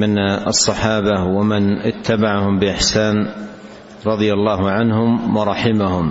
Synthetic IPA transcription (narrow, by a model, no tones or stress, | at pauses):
mɪnɑ̰sˤːɑħɑːbawamɪnʔɪt̪ʰːabaʕahʊmbɪʔɪħsaːn | ɾˤɑðˤɨjalːaːɦʕanhʊmwɑɾˤɑħɪmahʊm